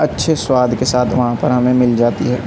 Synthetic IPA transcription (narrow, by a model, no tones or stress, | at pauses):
ɐtːʃʰeswaːd̪ʱkesaːt̪ʰʋɐɦãpɐɾɦɐmẽmɪld͡ʒaːt̪iɦɛː